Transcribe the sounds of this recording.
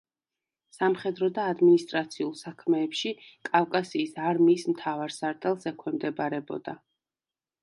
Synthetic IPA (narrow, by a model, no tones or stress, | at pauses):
samχɛd̪ɾɔd̪aːd̪minist̪ʼɾat̪sʰiulˠsakʰmɛːpʃikʼavkʼasiːsaɾmiːsmt̪ʰavaɾsaɾt̪ʼɛlˠsɛkʰwɛmd̪ɛbaɾɛbɔ̰d̪̥a